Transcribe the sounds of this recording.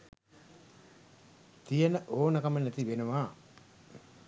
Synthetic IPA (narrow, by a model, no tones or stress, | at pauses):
t̪ijənəʔoːnəkɐmənæt̪iʋenuʋaː